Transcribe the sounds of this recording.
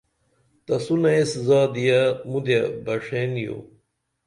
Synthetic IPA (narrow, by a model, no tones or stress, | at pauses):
t̪ɐsunɐeszaːd̪ijɐmud̪ebɐʂenjo̰